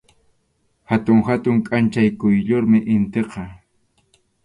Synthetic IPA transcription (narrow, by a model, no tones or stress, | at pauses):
hat̪ʊŋhat̪ʊŋkʼant͡ʃajkʊjʎoɾmɪʔɪnt̪eqɑ